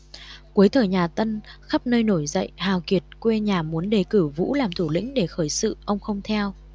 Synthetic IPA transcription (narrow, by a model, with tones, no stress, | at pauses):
ku˨˦əjt̪ʰəː˨˩jɲaː˨˩t̪ə˧nxa˦˥p̚nəː˧jno˧˩jzə̰˧˨jhaː˨˩wki˨˩ət̚kwe˧ɲaː˨˩mu˨˦ənɗe˨˩kɨ˧˩vṵ˧˥laː˨˩mt̪ʰu˧˩lḭ˧˥ŋ̟ɗe˧˩xəː˧˩jsɨ̰˧˨ʔə˧wŋ͡mxə˧wŋ͡mt̪ʰɛ˧w